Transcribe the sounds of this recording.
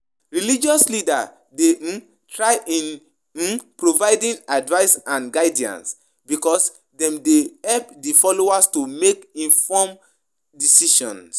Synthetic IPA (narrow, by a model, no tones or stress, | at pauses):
ɹilid͡ʒɔslida | de | tɹaɪʔĩn | pɹovaɪdĩnadvaɪsãnɡaɪdiã̰ns | bikɔs | dɛ̃mdehɛlp̚difɔloastumekĩnfɔm | disiʃɔ̰̃ns